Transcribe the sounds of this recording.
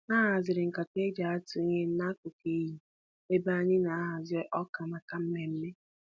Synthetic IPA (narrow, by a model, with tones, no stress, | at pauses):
na˦ɦa˨zɪ˨ɾɪ˨ŋ̩˨ka˨te˦d͡ʒa˨a˦tu˨i˦ɲe˦n̩˦na˦kʊ˨ki˦ɦi˨ | e˦ba˦ɲɪ˦na˨a˦ɦa˨zɪ˦ʔɔ˦ka˨ma˨ka˨m̩˦me˦m̩˦me˦